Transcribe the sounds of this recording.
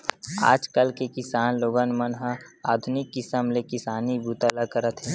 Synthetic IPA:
a̰ːd͡ʒkəlkekɪsaːnloːɡənmənɦəa̰ːd̪ʱʊnɪkːɪsəmlekɪsaːnibuːt̪alakəɾət̪ɦɛ̃ː

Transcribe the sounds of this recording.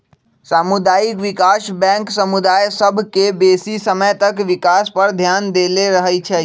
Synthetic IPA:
samud̪aikʋikasbɛ̃ŋksəmud̪ajsəbʱkebesisəməjt̪əkʋikaspəɾd̪ʱjand̪eleɾəɦəjt͡ʃʰɛ

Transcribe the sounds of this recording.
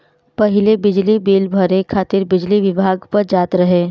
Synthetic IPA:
pɐɦɪlebɪd͡ʒlibeːlbʱəɾekʰaːt̪ɪɾbɪd͡ʒliʋɪbʱaːɡpɐɾd͡ʒaːt̪ɾɐɦeː

